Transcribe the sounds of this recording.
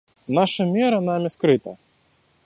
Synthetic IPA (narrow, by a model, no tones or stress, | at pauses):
naʃɐmʲɛɾɐnamʲɪskɾɪt̪ɐ̰